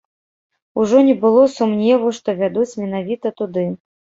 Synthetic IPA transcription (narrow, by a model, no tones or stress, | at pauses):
uʐɔnʲɛbɨlˠɔsumnʲɛvuʂt̪ɔvʲad̪ut͡sʲmʲɛnavʲit̪ɐt̪ud̪ɨ